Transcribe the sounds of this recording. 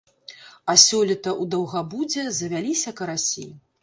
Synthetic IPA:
ɐsʲɔlʲit̪ɐʔud̪ɐwɣabud͡zʲɛzɐvʲalʲisʲɐkɐɾasʲḭ

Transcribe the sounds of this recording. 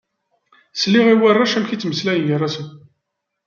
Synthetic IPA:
sliʁiwærˤːaʃæmçit͡sːməslæjənʝərːˤasən

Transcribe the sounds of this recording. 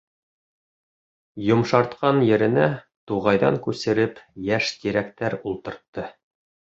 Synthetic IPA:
jŏmʃɑɾt̪qɑnjɘ̆ɾɘ̆næ | t̪uʁɑjðɑ̰ŋkʉsɘ̆ɾɘpjæʃt̪iɾækt̪æɾulˠt̪ɤ̆ɾt̪ːɤ

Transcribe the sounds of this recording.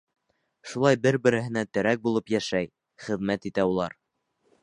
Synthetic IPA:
ʃulˠɑjbɘɾbɘ̆ɾɘ̆ɦɘ̆næt̪ɘ̆ɾæk̚bulˠɤpjæʃæj | χɘ̆ðmæt̪it̪æulˠɑɾ

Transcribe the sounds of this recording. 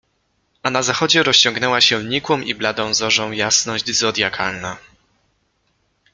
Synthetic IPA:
anazaxɔd͡ʑɛɾɔɕt͡ɕɔ̃ŋɡnɛwaɕɛɲikwɔmiblad̪ɔ̃w̃zɔʐɔ̃w̃jasnɔʑd͡ʑzɔd̪ʲjakʰalna

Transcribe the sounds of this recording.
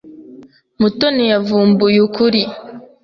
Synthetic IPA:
mutonijavuːmbujukuɾi

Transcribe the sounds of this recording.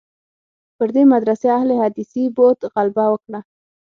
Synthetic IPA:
pəɾd̪emad̪ɾaseahlehad̪isibot̪ɣalbawəkɽa

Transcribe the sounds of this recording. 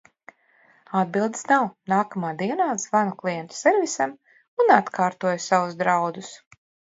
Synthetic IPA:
ad̪̚bilˠd̪̥snawnaːkamaːd̪iɛnaːzvanuklˠijɛnt̪u̥sɛɾvisam | unat̪kʰaːɾt̪uɔjusavuzd̪ɾawd̪us

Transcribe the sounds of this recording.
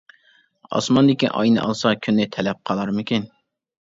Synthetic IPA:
ɑ̰smɑnd̪ɪkʲiʔɑ̰jnɨ̰ʔɑ̰lˠsɑkʲʰynːɪt̪ʰɛlɛp̚qʰɑlˠɑɾmɪkʲin

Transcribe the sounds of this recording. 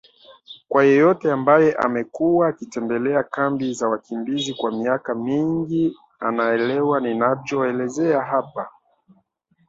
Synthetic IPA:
kwajɔjɔtɛambajɛʔa̰mɛkuwaːkitɛmbɛlɛakambizawakimbizikwamiakamiŋɡi | anaɛlɛwaninavjɔɛlɛzɛaɦapa

